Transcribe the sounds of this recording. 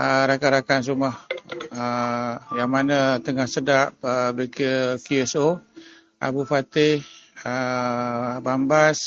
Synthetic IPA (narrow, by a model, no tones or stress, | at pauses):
əɾakaɾakans̬umahəjaŋmanət̪əŋahsədap̚əbəkəkuɛso | ʔa̰bufat̪ɪhə | bambas